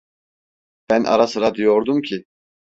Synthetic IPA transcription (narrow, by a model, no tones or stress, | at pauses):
b̥ænʔa̰ɾasɯɾad̪ijoɾd̪umcʰi